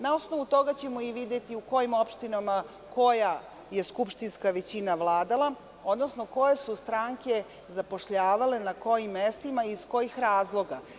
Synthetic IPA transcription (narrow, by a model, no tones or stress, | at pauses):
nao̞sno̞ʋut̪o̞ɡat͡ɕe̞mo̞iʋid̪jet̪iuko̞jimo̞pʃt̪inama | ko̞ja | je̞skupʃt̪inskaʋe̞t͡ɕinaʋlˠaːd̪alˠa | o̞d̪nosnoko̞je̞sust̪ɾaŋke̞ | zapo̞ʃʎaːʋale̞nako̞jimːest̪imaiːsko̞jixɾaːzlˠo̞ɡa